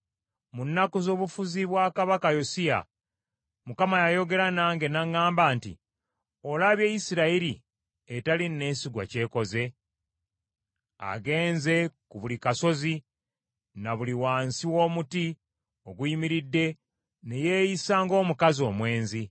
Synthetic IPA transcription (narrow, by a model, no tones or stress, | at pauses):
munːakuzo̞ːβufuziβwakaβakajosia̰ | mukamajajo̞ɡe̞ɾanaːŋɡe̞naŋːaːmbaːntḭ | olaβje̞jisiɾaiɾi | etalinːe̞ːsiɡwa̰ce̞ːko̞ze̞ | a̰ɡe̞ːnze̞kuβulikaso̞zi | naβuliwaːnsiwo̞ːmuti | o̞ɡwimiɾidːe̞ | ne̞jeːjisaːŋɡo̞ːmukazio̞ːmwe̞ːnzi